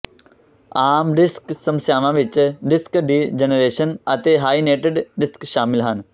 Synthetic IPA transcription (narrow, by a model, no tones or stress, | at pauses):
aːmɾɪsksə̃msjaːʋãʋɪt͡ʃɾɪskɖiːd͡ʒənɾeːʃənɐt̪eɦaːineːʈeɖɾɪskʃaːmɪlɦən